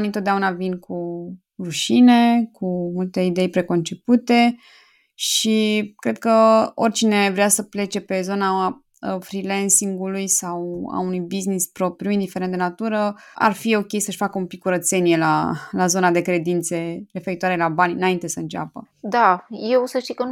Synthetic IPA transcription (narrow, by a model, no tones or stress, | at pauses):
nint̪ot̪d̪aunavinkʰu | ruʃine̞kumult̪e̞id̪e̞jpɾe̞ko̞nt͡ʃe̞put̪e̞ | ʃikɾe̞d̪̚kəo̞rʲt͡ʃine̞vɾeasəple̞t͡ʃe̞pe̞zo̞na | fɾilensiŋɡulujsawa̰unujbiznispɾo̞pɾjuind̪ifeɾe̞nt̪d̪nat̪uɾəa̰rfio̞kʲe̞jsəʃʲfakəumpikːuɾət̪se̞nijela̰lazo̞nad̪e̞kɾe̞d̪int̪se̞ɾe̞fe̞ɾit̪waɾe̞labanʲɨ̰naint̪e̞səɨnt͡ʃa̰pə̰ | d̪ajewsəʃt̪ikə